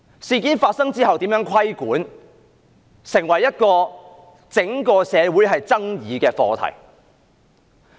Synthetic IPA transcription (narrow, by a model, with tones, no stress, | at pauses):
siː˨˧kiː˨˥nfaː˧t̚sɐ˥ŋt͡siː˥ɦɐ˨wt̪iː˨˥mjœː˨˥ŋkʷʰɐ˥jkuː˨˥n | sɪ˨˩ŋwɐ˨˩jːɐ˥t̚kɔː˧ | t͡sɪ˨˥ŋkɔː˧sɛː˨˧wuː˨˥jɦɐ˨jt͡sɐ˥ŋjiː˨˧kɛː˧fɔː˧t̪ʰɐ̰˨˩j